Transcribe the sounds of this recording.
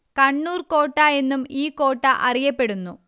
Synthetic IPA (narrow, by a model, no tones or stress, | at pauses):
kɐɳːuːrko̞ːʈːaːe̞nːumiːkːo̞ːʈːɐʔɐrijɐpːe̞ɽunːu